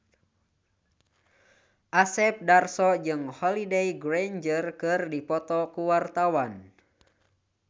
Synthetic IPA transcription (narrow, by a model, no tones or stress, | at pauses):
ʔasɛp̚darsɔd͡ʒɨŋhɔlideiɡɾand͡ʒərkɨrdipɔt̪ɔkuwart̪awan